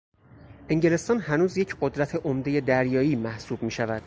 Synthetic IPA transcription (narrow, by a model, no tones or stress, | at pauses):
ʔe̞ŋɟele̞st̪ɒːnhænuːzjecʰɢod̪ɾæt̪ʰe̞ʔomd̪e̞je̞d̪æɾjɒːiːmæhsuːb̚miːʃævæd̪̥